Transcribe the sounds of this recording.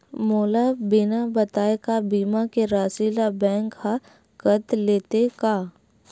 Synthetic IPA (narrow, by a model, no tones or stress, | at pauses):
moːlabɪnabət̪aːekabiːmakeɾaːsilabɛ̃ːŋkha | kət̪leːt̪ekaː